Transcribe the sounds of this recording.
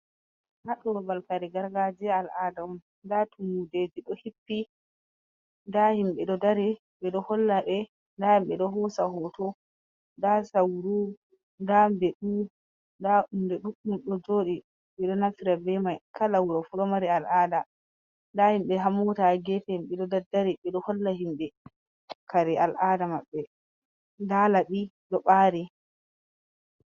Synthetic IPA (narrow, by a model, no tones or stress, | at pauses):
haɗɔbalkaɾɛɡaɾɡad͡ʒialʔadaɔm | ndatʰumuded͡ʒiɗɔhipːi | ndahimɓɛɗɔdaɾi | ɓɛɗɔhɔlːaɓɛ | ndahimɓɛɗɔɦɔsahɔtɔ | ndasawɾu | ndambɛɗu | ndaumdɛɗukːuɗɔd͡ʒoːɗi | ɓɛɗɔnafiɾabɛmajkalawuɾafuɗɔmaɾɛalʔaːda | ndahimɓɛɦamɔtaɡɛfɛmɓɛɗɔdadːaɾiɓɛɗɔhɔlːahimɓɛ | kʰaɾɛalʔadamaɓːɛ | ndalaɓiɗɔɓaːɾi